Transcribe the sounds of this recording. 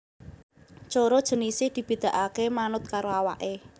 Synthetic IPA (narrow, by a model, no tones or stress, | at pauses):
t͡ʃoɾɔd̥ʒ̥ə̤nisɪhd̪̥i̤b̥i̤d̪̥a̤ʔakemanʊt̪̚kaɾoawa̰ʔe